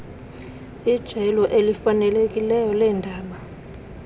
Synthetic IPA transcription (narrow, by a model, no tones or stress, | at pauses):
id̥ʒ̥ʱɛlɔʔelifanɛlek̬ʼilɛjɔlɛːndʱaːɓa